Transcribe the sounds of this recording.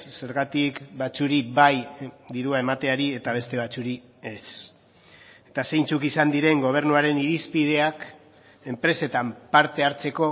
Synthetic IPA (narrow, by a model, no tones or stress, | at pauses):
se̞ɾɣat̪ikbat͡suɾiβajd̪iɾuae̞mat̪e̞aɾie̞t̪aβ̞e̞st̪e̞β̞at͡suɾi | es | et̪ase̞jnt͡sukisand̪iɾe̞ŋɡo̞β̞e̞ɾnuaɾe̞niɾispið̞e̞ak | e̞mpɾe̞se̞t̪ampaɾt̪e̞aɾt͡se̞ko̞